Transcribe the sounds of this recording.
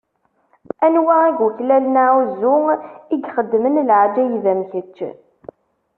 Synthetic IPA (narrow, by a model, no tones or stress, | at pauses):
ænwææɡəçlælnaʕuzʊiɡχəd̪ːmənlʕd͡ʒæjðæmçət͡ʃː